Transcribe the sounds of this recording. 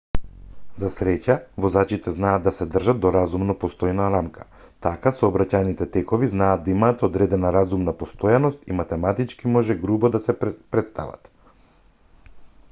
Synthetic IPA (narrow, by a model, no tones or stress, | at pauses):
zasɾɛcavɔzat͡ʃit̪ɛznaːd̪ːasɛd̪r̩ʒad̪̚d̪ɔɾazumnɔpɔst̪ɔjnaɾamkʰḁ | t̪akasɔːbɾacajnit̪ɛt̪ɛkɔviznaːd̪̚d̪aimaːt̪ɔd̪ɾɛd̪ɛnaɾazumnapɔst̪ojanɔst̪imat̪ɛmat̪it͡ʃkimɔʒɛɡɾubɔd̪asɛpɾɛt̪st̪a̰va̰t̪